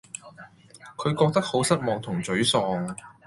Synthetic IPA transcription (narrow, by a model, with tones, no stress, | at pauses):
kʰɵ˨˧ɥkɔː˧k̚t̪ɐ˥k̚ho˨˥wsɐ˥t̚mɔː˧k̚t̪ʰʊ˨˩ŋt͡sɵ˨˥ɥsɔː˨˧ŋ